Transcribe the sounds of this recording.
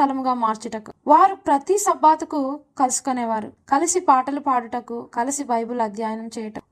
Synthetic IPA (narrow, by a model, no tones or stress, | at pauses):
ɐlɐmuɡaːmaːɾt͡ʃiʈɐku̥ʋaːɾupɾɐt̪isɐbaːt̪ɐkukɐlusu̥konɛːʋaːɾukɐlisipaːʈɐlupaːɽuʈɐkːukɐlisibɐjbuluɐd̪jaːjɐnɐmt͡ʃɛːjɐʈɐm